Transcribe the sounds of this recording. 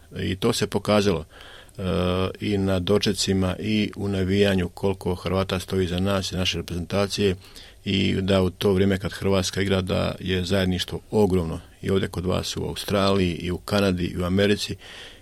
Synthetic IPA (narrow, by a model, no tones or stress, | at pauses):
ḭt̪o̞ːse̞po̞kaːzalo̞̰ | inad̪o̞t͡ʃe̞t̪simaʔiunaʋijaɲukʰo̞lko̞xrɾʋaːt̪ast̪o̞iːzanaːsinaʃe̞ɾepɾe̞ze̞nt̪aːt̪sije̞ | ḭd̪aut̪o̞ːʋɾjeːmekad̪xr̩ʋaːt̪skaiɡɾaːd̪a̰jezaje̞d̪niʃt̪ʋoo̞ɡɾo̞ːmno̞ | io̞ːʋdje̞ko̞d̪ʋa̰ːsṵa̰ust̪ɾaːlijiʔiukanad̪ḭʔḭuame̞ɾit̪si